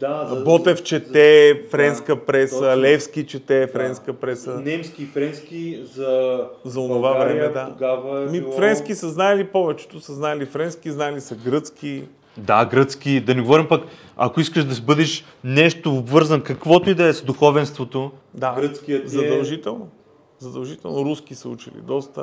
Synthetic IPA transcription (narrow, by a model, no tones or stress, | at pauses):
d̪abɔt̪ɛft͡ʃɛt̪ɛfɾɛnskəpɾɛsɐlɛfskit͡ʃɛt̪ɛfɾɛnskəpɾɛsənɛmskʲiːfɾɛnskʲizɐzɐonʊvavɾɛmɛd̪aɡavmifɾɛnsk̟isəznaɛlipɔvɛt͡ʃɛ̥t̪ʊsɐznaɛlifɾɛnsk̟iznaɛlisɐɡɾɤt̪ski | d̪aɡɾɤt̪sk̟id̪ɐnɛɡovɔɾimpɐk | ɐ̰koiskəʃd̪ɐsibɤd̪ɛʃ | nɛʃt̪oobvɤɾzɐnkɐkvɔt̪oid̪ɐɛzd̪uxɔvɛnst̪vot̪od̪aɡɾət̪skʲiət̪zɐd̪ɐlˠʒit̪ɛlˠno | zɐd̪ɐlˠʒit̪ɛ̰lˠnoɾusk̟isəut͡ʃḭlḭd̪ɔst̪ə̰